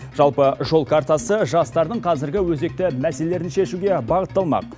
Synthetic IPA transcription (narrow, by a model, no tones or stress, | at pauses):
ʒ̥ɑlˠpəʒo̞lˠkʰaɾt̪asəʒɑst̪ɑɾd̪əɴqʰɑzɪɾɡʲɪwɵze̞k̚t̪ɪmæse̞lele̞ɾɪnʃe̞ʃuɡʲe̞bɑʁət̪ːɑlˠmɑ̰q̚